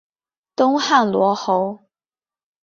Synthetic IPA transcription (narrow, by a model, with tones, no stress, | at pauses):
t̪ʊ˥ŋxa˥˩nlwɔ˧˥xo˧˥ʊ